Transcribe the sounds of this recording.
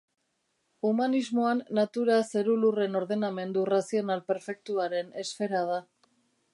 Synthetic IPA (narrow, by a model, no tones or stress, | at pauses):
umanizmo̞anːat̪uɾase̞ɾulure̞no̞ɾðe̞name̞nd̪urasio̞nalpe̞ɾfe̞k̚t̪uaɾe̞ne̞sfe̞ɾað̞a